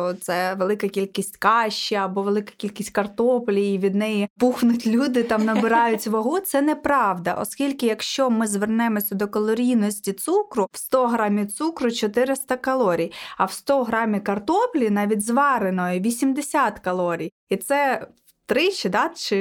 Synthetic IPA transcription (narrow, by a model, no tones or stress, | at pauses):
t̪sɛʋelˠɪkɐkʲilʲkʲisʲtʲkɑʃt͡ʃːiɐbɔʋelˠɪkɐ̥kʲilʲkʲisʲt̚ʲkɐrt̪ɔplʲijːʋʲid̪nɛjipuxnʊtʲlʲud̪ɪt̪ɑmnɐbɪɾɑjʊtʲʋɐɦut̪sɛnɛpɾɑʋd̪ɐ̰ʔɔ̰skʲilʲkɪjɐkʃt͡ʃɔmɪzʋernɛmɔsʲɐd̪ɔkɔlˠɔɾʲijnɔsʲtʲit̪sukɾʊw̥st̪ɔɦɾɑmʲit̪sukɾʊt͡ʃɔt̪ɪɾɪst̪ɐkɐlˠɔɾʲijɐwst̪ɔɦɾɑmʲikɐrt̪ɔplʲinɑʋʲidʲzʋɑɾenɔjʊʋʲisʲimd̪esʲɑt̪kɐlˠɔɾʲij | it̪sɛ | t̪ɾɪt͡ʃɪd̪ɑt̪t͡ʃɪ